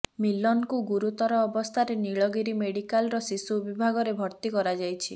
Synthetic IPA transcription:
milːɔnkuɡuɾut̪ɔɾɔːbɔst̪ʰaɾeniɭɔɡiɾimeɽikalɾɔsisubibʱaɡɔɾebʱɔɾt̪ikɔɾad͡ʒajt͡ʃʰi

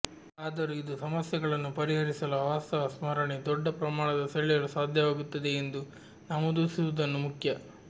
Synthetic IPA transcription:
aːd̪ɐɾuid̪usɐmɐsjɐɡɐɭɐnːupɐɾiɦɐɾisɐlɐʋaːst̪ɐʋɐsmɐɾɐɳid̪ɔɖːɐpɾɐmaːɳɐd̪ɐsɐɭijɐɭusaːd̪ʱjɐʋaːɡut̪ːɐd̪e̞ːnd̪u | nɐmud̪uːsiʋud̪ɐnːumukʰjɐ

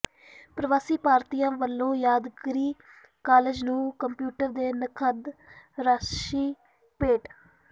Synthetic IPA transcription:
pɾəʋaːsiːpaːɾt̪iːãːʋəlːõːjaːd̪ɡɾiː | kaːled͡ʒnũːkəmpjuːʈəɾd̪eːnəkʰəd̪ɾaːʃiː | peːʈ

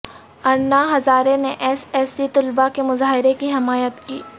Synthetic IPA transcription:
ɐɾnaɦɐzaːɾeneʔɛːsɛːsit̪ʊlbakemʊzaːɦɪɾekiɦɪmaːjət̪kiː

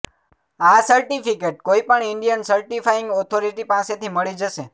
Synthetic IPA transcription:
asəɾʈifikeʈ̚koipəɳɪɳɖijənsəɾʈifaɪ̃ŋɡɔt̪ʰoɾiʈipãset̪ʰiməɭid͡ʒəʃe

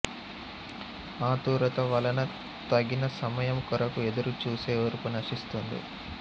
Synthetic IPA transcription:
aːt̪uːɾɐt̪ɐʋɐlɐnɐ | t̪ɐɡinɐsɐmɐjɐmkɔɾɐkuɛd̪ɐɾut͡ʃuːseːɐɾukunɐʂist̪und̪ḭ

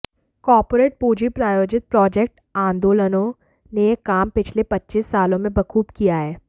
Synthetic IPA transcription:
kɔːɾpoːɾeːʈ̚puːd͡ʒipɾaːjoːd͡ʒɪt̪̚pɾɔːd͡ʒek̚ʈ | ãːnd̪oːlənõ | nejekːaːmpɪt͡ʃʰlepɐtːt͡ʃisːaːlõmẽbɐkʰuːbkijaɦɛː

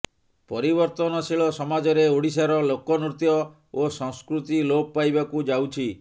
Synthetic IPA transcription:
pɔɾibɔɾt̪ɔnɔsiɭɔsɔmad͡ʒɔɾeoɽis̬aɾɔlokɔnɾut̪jɔ | osɔŋskɾut̪ilob̚pajbakud͡ʒawt͡ʃʰi

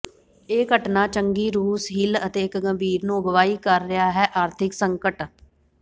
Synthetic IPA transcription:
eːkəʈnaːt͡ʃəŋɡiːɾuːsɦɪlət̪eːkɡəmbʱiːɾnoːɡʋaːiːkəɾːɪɦaːɦɛːʔaːɾt̪ʰɪksəŋkəʈ

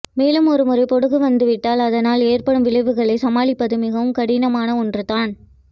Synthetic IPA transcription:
meːlɯmɔɾɯmɯrɐɪpɔɽɯɣɯʋɐnd̪ɯʋɪʈːaːlɐðɐnaːleːrpɐɽɯmʋɪɭɐɪʋɯɣɐɭɐɪsɐmaːɭɪpːɐðɯmɪɣɐʋɯmkɐɽɪnɐmaːnɐɔndrɯt̪aːn

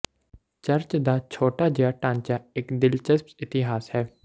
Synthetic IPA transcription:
t͡ʃəɾt͡ʃd̪aːt͡ʃʰoːʈaːd͡ʒejaːʈãːnt͡ʃaːɪkd̪ɪlt͡ʃəspsɪt̪ɪɦaːshɛː

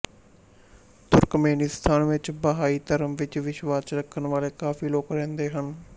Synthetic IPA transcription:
t̪ʊɾkmeːniːst̪ʰaːnʋɪt͡ʃbəɦaːiːt̪əɾəmʋɪt͡ʃʋɪʃʋaːt͡ʃɾəkʰːənʋaːleːkaːfʰiːloːkɾɛ̃ːnd̪eːɦən

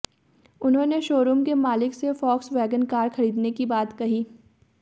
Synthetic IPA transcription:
ʊnɦõːneʃoːɾumkemaːlɪksefɔːksʋɛːɡənkaːɾxɐɾiːd̪nekibaːt̪kɐɦiː

